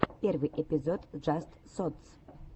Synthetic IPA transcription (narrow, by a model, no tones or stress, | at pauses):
pʲervɨjʔɛpʲizot̪ʐast̪ | sɔt̪s